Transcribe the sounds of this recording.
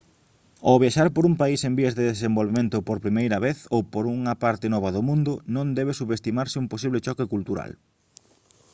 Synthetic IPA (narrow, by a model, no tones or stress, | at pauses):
oβjaʃaɾpoɾumpaisembiezðeðesembolβemẽnt̪ʊpoɾpɾimejɾɐβeθowpoɾuŋɐpaɾt̪ɪnɔβ̞ɐðomũnd̪ʊnõnd̪ɛβesuβest̪imaɾsɪumposiβlet͡ʃɔkɪkult̪uɾa̰l